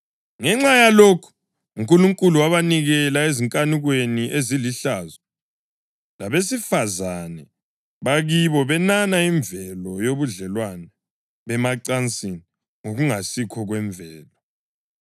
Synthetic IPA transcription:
ŋɛŋ͡ǁajalokʰu̥ | uŋkʼuluŋkʼuluwaβaniɣɛlaeziŋkʼaniɣweniʔeziliɬazɔ | laβesifazanɛ | βaɣiβɔβɛnanaiɱbvɛlɔjoβuɮɛlwanɛ | βɛmaǀant͡sʼin | ŋoɣuŋasikʰɔɣwɛɱbvʱɛːlɔ

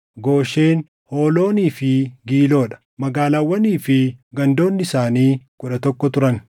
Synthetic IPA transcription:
ɡo̞ːʃeːn | ho̞ːlo̞ːniːfɪɡiːlo̞ːᶑɐ̥ | mɐɡaːlawːɐniːfɪɡɐnd̪o̞ːnːɪɪsaːniːkʊᶑɐt̪ɔkːɔt̪ʊɾɐn

